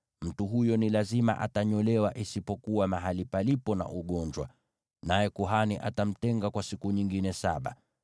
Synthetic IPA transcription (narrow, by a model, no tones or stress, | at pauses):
m̩tuɦujɔnilazima̰ʔa̰taɲɔlɛwaʔisipɔkuwamaɦalipalipɔna̰ʔuɠɔɲd͡ʒwa | najɛkuɦaniʔatam̩tɛŋɡakwasikuɲiŋɡinɛsaɓa̰